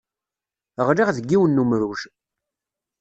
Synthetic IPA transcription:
əʁɾiʁðəɡːiwənːumɾuʃ

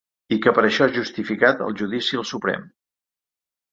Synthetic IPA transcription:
ikəpəɾəʃɔaʒust̪ifikat̪ə̰lˠʒuðisiəlˠsupɾɛ̰m

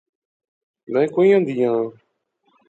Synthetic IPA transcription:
mɛ̃ːkoːĩːãːd̪iːãː

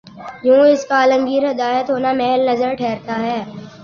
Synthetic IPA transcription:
jũːɪskaːlə̃mɡiːɾɦɪd̪aːjət̪ɦoːnamɛːlnɐzəɾʈʰɛːɾt̪ʰaɦɛː

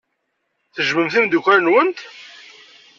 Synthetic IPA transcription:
θəʒməmθind̪ukʷæɾnwənt̪

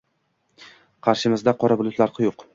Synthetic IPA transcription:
qʰɑɾʃɪmɪzd̪aqʰɒɾabʊlˠʊt̪laɾqʰɨjoq

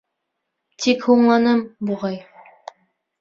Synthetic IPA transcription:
t̪ʰikhuɴlˠɑnɤmbuʁɑj

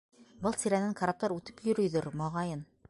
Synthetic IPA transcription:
bɤlˠsiɾænɘŋkʰaɾap̚t̪ɑɾʉt̪ɘ̥pjɵ̆ɾɵ̆jðɵɾmɑʁɑjɤn

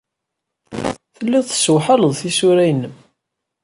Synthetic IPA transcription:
θəlːiðˤθswħələðˤθisuɾæjnːəm

